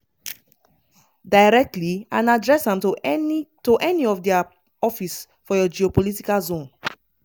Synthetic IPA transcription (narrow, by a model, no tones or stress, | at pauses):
dajɹɛk̚tliãnadɹɛsãm | toʔɛniɔfdia | ɔfis | fɔjɔd͡ʒiopolitikalzõn